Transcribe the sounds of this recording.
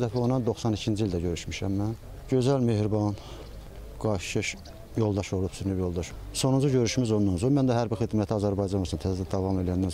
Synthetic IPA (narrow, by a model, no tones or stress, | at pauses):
æt̪onɑnd̪o̞xsɑnicʰind͡ʒiild̪æɟøɾyʃmiʃæmːæn | ɟø̞zælme̞hɾbɑn | ɡ̥ɑʃʃɯʃ | jo̞lˠd̪ɑʃoɾlˠupsyɾnybjo̞lˠd̪ɑʃ | so̞nund͡ʒuɟø̞ɾyʃmizonːunzomænd̪æɦæɾbixid̪mæt̪ʰiɑzæɾbɑjd͡ʒɑnosunt̪ʰæzd̪æd̪ɑvɑme̞lijænd̪æn